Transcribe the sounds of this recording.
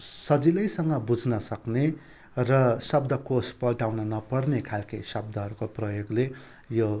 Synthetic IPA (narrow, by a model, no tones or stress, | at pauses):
sʌd͡zilʌjsʌŋɡʌbud͡znʌsʌkne | rʌsʌb̚d̪ʌkospʌɖawnʌnʌpʌɽnekʰalkisʌb̚d̪ʌɦʌɾukoprʌjoɡle | jo